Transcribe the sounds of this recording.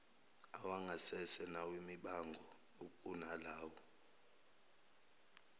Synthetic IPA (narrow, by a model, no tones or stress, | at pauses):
awaŋʱasɛsɛnawimiɓaŋɡʱɔ | okʼunalaːwɔ